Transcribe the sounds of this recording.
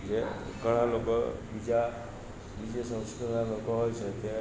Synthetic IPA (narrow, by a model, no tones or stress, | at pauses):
d͡ʒeɡəɽ̃alokɔ̰bid͡ʒa | bid͡ʒesə̃w̃skiɾnalokɔɦojsʰət̪e